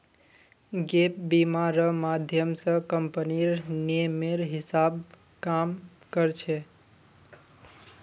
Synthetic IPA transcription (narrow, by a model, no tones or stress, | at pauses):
ɡep̚bimaɾəmad̪ʱjəmsə̃kəmpəniɾnemeɾɦɪsab | kam | kəɾt͡ʃʰe